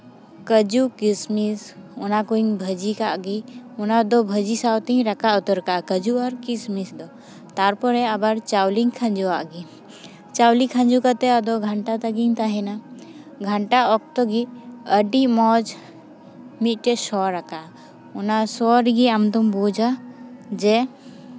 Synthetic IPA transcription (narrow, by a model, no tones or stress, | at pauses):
kəd͡ʒukismisʊnakuiŋbʱəd͡ʒikaʔɡiʊnad̪ɔbʱəd͡ʒisawt̪iɦĩɾɐkaʊt̪əɾkakəd͡ʒuɔɾkismisd̪ɔ | t̪aɾpɔɾɛɐbəɾt͡ʃawliŋkʰɐ̃nd͡ʒuaʔɡi | t͡ʃawlikʰə̃nd͡ʒukət̪ɛad̪ɔɡʱəɳʈat̪əɡiŋt̪aɦɛna | ɡʱəɳʈaɔk̚t̪ɔɡiəɖimɔd͡ʒ | mit̪̚ʈɛsɔɾaka | ʊnasɔɾɡiamt̪umbud͡ʒad͡ʒɛ